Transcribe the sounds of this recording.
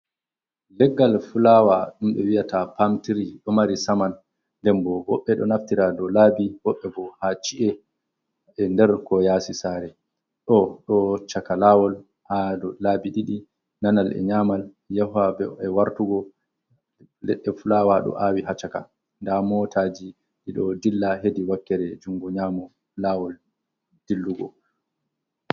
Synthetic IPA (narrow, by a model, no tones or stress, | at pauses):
lɛɡːalfulawaɗumɓɛ̰wijatapamtiɾiɗɔmaɾisaman | dɛmbɔbɔɓːɛɗɔ̰naftiɾadɔlaːbibɔɓːɛbɔhat͡ʃiʔɛ | ɛndɛɾkɔjasisaːɾɛ | ɗɔɗɔt͡ʃakalawɔl | hadɔlaːbiɗiɗi | nanalɛ̰ɲamal | jahabɛɛwaɾtuɡɔ | lɛ̰ɗːɛfulawaɗɔ̰ʔawiɦat͡ʃaka | ndamɔtʰad͡ʒi | ɗiɗɔdilːaɦediwakːɛɾɛd͡ʒuŋɡɔɲaːmɔ | laːwɔl | d̥ilːuɡɔ̰